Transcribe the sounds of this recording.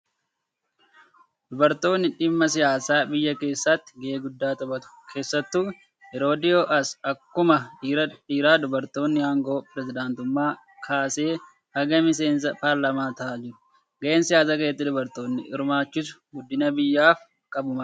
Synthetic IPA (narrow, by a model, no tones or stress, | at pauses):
d̪ʊbɐɾt̪o̞ːnːɪᶑɪmːɐs̬ɪjaːsaːbɪjːɐke̞ːsːɐt̪ːɪ̥ɡeːɡʊd̪ːaːt̪ɐbɐt̪ʊ̥kʰe̞ːsːɐt̪ːuː | ɛɾo̞ːd̪ɪo̞ːʔɐsɐkːʊmɐɾɐiːɾaːd̪ʊbɐɾt̪o̞ːnːɪhaːŋɡo̞ːpɪɾɛzɪd̪aːnt̪ʊmːaː | kʰaːse̞ː | ɐɡɐmɪs̬e̞ːns̬ɐpaːɾlɐmaːt̪ɐːd͡ʒɪɾʊ̥ | ɡɐʔeːnsɪjaːsaːkɐjɛt̪ːɪd̪ʊbɐɾt̪o̞ːnːɪ̰ʔɪ̰ɾmaːt͡ʃːɪs̬ʊ̥ɡʊd̪ːɪnɐbɪjːaːf | kʼɐbʊmɐ